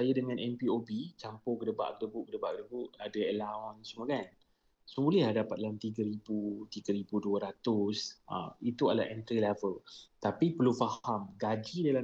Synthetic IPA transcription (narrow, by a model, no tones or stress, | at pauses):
ajadəŋãnɛmpiobit͡ʃampʊkədəba̰ʔkədəbuʔkədəbaʔkədəbuʔadaɛlaɔnsəmokan | səbulɛhdapat̪̚laamt̪iɡəɾibut̪iɡəɾibuduəɾat̪ʊsʔə̰mit̪uala̰ʔɛnt̪ɾilɛvəlt̪apipəlufahamɡad͡ʒidala